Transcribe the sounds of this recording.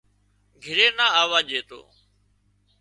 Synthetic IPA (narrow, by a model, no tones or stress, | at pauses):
ɡʱɪɾeːnaːaːʋaːʄeːt̪o̰ː